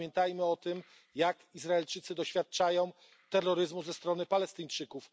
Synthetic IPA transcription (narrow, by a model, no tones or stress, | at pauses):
jɛnt̪ajmɘɔt̪ɘm | jakizɾaɛlt͡ʂɘt̪sɘd̪ɔɕfʲjat̪̚t͡ʂajɔ̃w̃ | t̪ɛrːɔɾɘzmuzɛst̪ɾɔnɘpalɛst̪ɘɲt͡ʂɘkuf